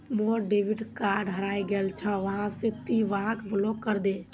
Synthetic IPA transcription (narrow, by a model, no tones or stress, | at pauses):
moɾɖeʋiɖkaɾɖɦəɾaiɡelt͡ʃʰə̃ʋəɦãsẽt̪iʋakblokːəɾd̪e